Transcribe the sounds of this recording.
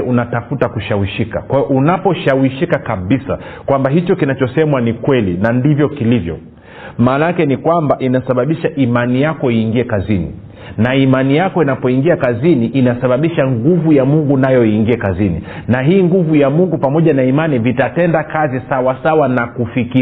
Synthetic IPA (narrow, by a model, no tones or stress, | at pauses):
ɛunatafutakuʃawiʃikakwaɔʔunapɔʃawiʃikakaɓisa̰kwambaɦit͡ʃɔkinat͡ʃɔsɛmwanikwɛlinandivjɔkilivjɔ̰ | maːnajakɛnikwambaʔinasaɓaɓiʃaʔimanijakɔiːŋɡiɛkazinḭ | naimanijakɔinapɔiŋɡiakaziniʔinasaɓaɓiʃaŋɡuvujamuŋɡunajɔiŋɡiɛkazinḭnaɦiːŋɡuvujamuŋɡupamɔʄanaimanivitatɛndakazisawasawanakufiki